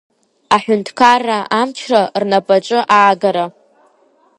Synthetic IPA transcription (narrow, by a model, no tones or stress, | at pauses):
aħʷᶣʊntʰkʰarːaʔamt͡ʃʰrarnapʼaʈ͡ʂʷʼɨʔaːɡaɾa